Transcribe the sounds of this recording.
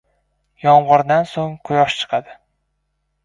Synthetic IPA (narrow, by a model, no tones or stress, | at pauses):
jɒɴʁʊɾd̪ansoŋqʰʊjɒʃt͡ʃʰɨ̥qʰɑd̪ɪ